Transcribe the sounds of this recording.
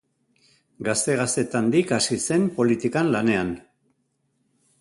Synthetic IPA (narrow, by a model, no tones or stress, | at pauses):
ɡast̪e̞ɣ̞ast̪e̞t̪and̪ikasise̞mpo̞lit̪ikanlane̞an